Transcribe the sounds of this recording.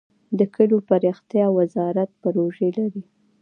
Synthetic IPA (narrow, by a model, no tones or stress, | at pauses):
d̪əkəlopaɾixt̪jɑwazɑɾat̪̚paɾoʒelaɾi